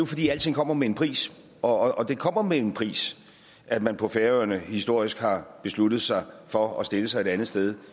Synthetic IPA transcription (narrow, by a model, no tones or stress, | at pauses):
jofɒ̽d̥ḭːæl̰t͡sʰe̝ŋkʰɒ̽m̰ɐmeenpʰʁḭːs | ɒ̽ːd̥e̝kʰɒ̽m̰ɐmeenpʰʁḭːs | ʔæd̥mænpʰɒ̽feɐøɐnəhisd̥o̝ɐ̰isɡ̥hɑ̈b̥e̝slud̥ð̩ˠsɑ̈ɪfɒ̽ɒsd̥e̝ləsɑ̈ɪeɾænð̩ˠsd̥eð̞ˠ